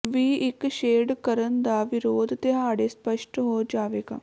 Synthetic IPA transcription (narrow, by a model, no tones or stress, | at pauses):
ʋiːɪkʃeːɖkəɾənd̪aːʋɪɾoːd̪t̪eɦaːɽeːspəʃʈɦoːd͡ʒaːʋeːɡa̰ː